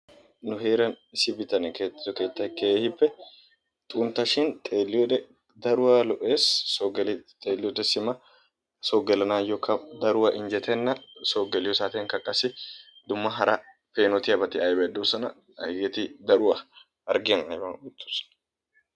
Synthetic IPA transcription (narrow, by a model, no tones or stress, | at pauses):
nʊɦe̞ːɾɐn | ɪsɪbɪt̪ɐnɛkeɔkeːt̪ːɐkeːhɪbːɛ | t̪ʼuːnt̪ɐʃɪnt̪ʼeːlːɪjɔᶑɛ | d̪ɐɾʊwɐlɔʔeːsoɡlt̪ʼeːlːɪjɔd̪ɛsɪmɐ | soːɡɛlɐnaːjɔkʰːɐd̪ɐɾʊwɐʔɪnd͡ʒɛt̪ʰɛnːɐsoːɡɛlɪjɔsaːt̪iŋkɐkʼːɐsɪ | d̪ʊmːɐɦɐɾa | peːnɔt̪ɪɐbɐt̪ɪɐjbɛd̪uːsɐnɐ̰ | ɡɛt̪ɪd̪ɐɾʊwɐ | ɐɾɡɪnɐ̰jbɐʊt̪ːu̥sɐ̥n